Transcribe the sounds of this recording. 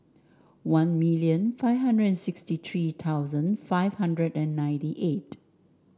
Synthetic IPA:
wãnmiliə̃nfaɪvɦãndɹədɛ̃nsɪkstit̪ʰɹiːt̪ʰawzə̃nfaɪvhãndɹədɛ̃nːãj̃ntiʔet

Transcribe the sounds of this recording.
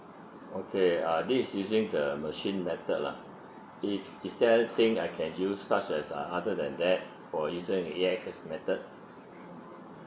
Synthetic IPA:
okʰeadisjuzɪ̃ŋdəməʃĩnmɛt̪ət̚la̰ | i | istɛlt̪ĩŋaɪkʰɛ̃njusːat͡ʃɛsaadədɛ̰̃ndɛt̚ | fɔjuzĩŋiɛk̚sɛsmɛt̪əd̚

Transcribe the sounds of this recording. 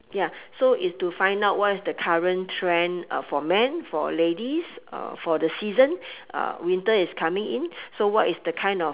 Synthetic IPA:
jasoʔitstufãj̃ndaʊt̚wɔtisdəkʰaɹə̃ntʰɹɛ̃nʌ̰fɔmɛ̃nfɔ̰ledisʌ̰fɔdəsizə̃nʔʌ̰wĩntəiskʰamɪ̃ŋĩnsowɔtɪsdəkʰãj̃ndɔ

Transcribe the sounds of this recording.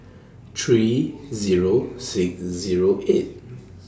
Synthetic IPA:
tʰɹiziɹosiksziɹoʔet̚

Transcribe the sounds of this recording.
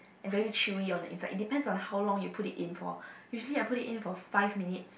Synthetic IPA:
ʔɛ̃nvɛɹilit͡ʃʰuliɔ̃ndə̰ʔĩnsa̰ɪʔḭt̚dipɛ̃ndsɔ̃nhaʊlɔ̃ŋjupʰutitĩnfɔ̰juʒəliaɪputitĩnfɔfaɪvminits

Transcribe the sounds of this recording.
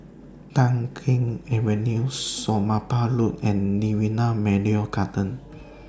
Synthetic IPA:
t̪aŋkʰɪŋɛwənuusːomapalunɛnːiwinamɛɖiokat̪ən

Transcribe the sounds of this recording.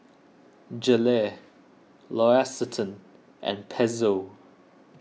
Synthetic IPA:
d͡ʒəlɛ | lɔasətʰə̃n | ʔə̰̃npʰɛzo

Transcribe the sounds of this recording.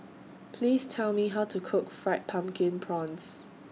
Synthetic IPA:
pʰliːstʰɛlmiɦaʊtʰukʰʊkfɹɛt̚pʰãmkʰɪ̃npʰɹɔ̃ns

